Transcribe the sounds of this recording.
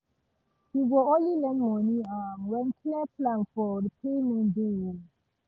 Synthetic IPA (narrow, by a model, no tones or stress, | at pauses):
hiɡɔolilɛnmɔ̃nĩamwɛ̃nkʰlɛpʰlãnfɔdəpʰemɔ̃nde